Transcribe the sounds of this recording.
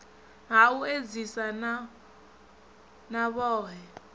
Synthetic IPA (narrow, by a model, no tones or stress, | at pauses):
ŋaued͡zisana | naβɔːɦɛ